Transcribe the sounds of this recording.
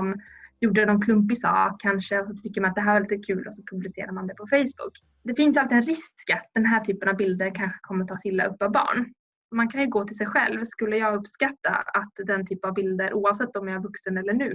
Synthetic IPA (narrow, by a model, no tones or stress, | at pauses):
mjuːɖəɛnɔnkʰlɵmp̬ɪsɑ̰ːkkʰːanʂəɔsɔt̪ʰʏkːəɾmanat̪̚d̪ɛɦæːɾvaliːt̪əkʰʉ̟ːlʔɔsɔpʰɵblɪsḛːɾamand̪ɛpʰɔfɛjsbʊ̰kː | d̪ɛfɪnsjalt̪ɪɛnɾɪst̪skat̪̚d̪ɛnɦæːʈʰyːpənavbɪld̪əɾkʰanɧə̥kʰɔmːəɾt̪ʰɑːsɪlːa̰ʔɵpːɑvbɑ̰ːɳ | mankʰanjɵɡoːt̪ʰɪls̬ɛjɧɛ̰lvskɵlːəjɑːɵpːskat̪ːa̰at̪d̪ɛnt̪ʰyːpənavbɪld̪əɾʔuːavsɛt̪ːɔmæɾjavɵksənɛlːəɳʉ̟ː